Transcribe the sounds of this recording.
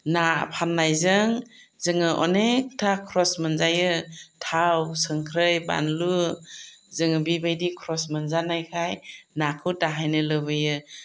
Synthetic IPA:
napʰanːajzɯŋ | zɯŋɯʔɔ̰nek̚tʰakʰɾɔsmɯnzajɯtʰawsɯŋkʰɾɯjba̰nlu | zɯŋɯbibajdikʰɾɔsmɯnzanajkʰajnakʰɯwtaɦajnɯlɯβɯjɯ

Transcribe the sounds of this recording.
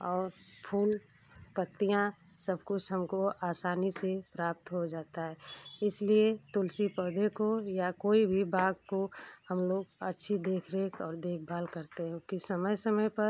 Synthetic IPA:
ɔːɾpʰuːl | pət̪ːijã | səbkʊt͡ʃʰɦəmkoaːsaːnisepɾaːp̚t̪ɦod͡ʒaːt̪aɦɛːɪsliet̪ʊlsipɔːd̪ʱekojakoːibʱibaːɡ̚kohəmloːɡətːʃʰid̪eːkʰɾeːkɔːɾd̪eːk̚ʰbʱaːlkəɾt̪eɦɛ̃kisəməjsəməjpəɾ

